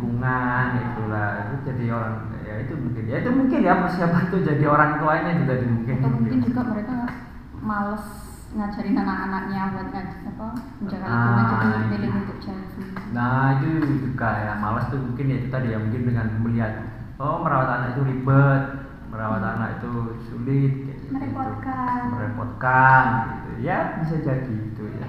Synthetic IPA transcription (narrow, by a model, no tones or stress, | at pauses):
ɡuŋanit̪ulaḭt̪ud͡ʒadioɾaŋ̰ | jait̪umuŋkɪnjait̪umuŋkɪnjapasiapat̪ud͡ʒadioɾaŋit̪uainad͡ʒuɡadəŋmuŋkɪnk̪mikɪnd͡ʒuɡaməɾeka | malɔs | ŋad͡ʒaɾinanakanak̚ɲabuat̪̚kanata | əɲd͡ʒakaaaad͡ʒaipilɪjut̪ʊk̚d͡ʒansminait̪ud͡ʒuɡajamalɔst̪umuŋkɪnjait̪ut̪adijamuŋkɪndəŋanməliɦat̪̚ | oməɾawat̪anakit̪ulibət̪̚ | məɾawat̪ana̰kḭt̪usṵlɪt̪̚kaiməɾepɔkanməɾɛpɔt̪̚kanɡit̪ṵjabis̬ad͡ʒadiit̪uja̰